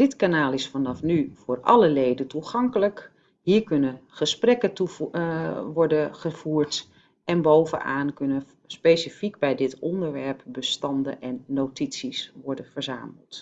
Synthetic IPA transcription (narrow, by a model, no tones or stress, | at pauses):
d̥ɪtkanaːlˠɪsfɑnɑfnyv̥ʊːrɑ̰ləlejdəntuχɑŋkələk | ɦiːɹkɵnənχəsprɛkətu | ʋɔrdəχəv̥uːrt | ɛnbowvə̰na̰ːnkønə | spejsifikbɛjdɪtɔndəɹʋɛɹpbəstɑndə̰ʔɛnːowtisisʋɔɹdənvərza̰ːmə̰lˠt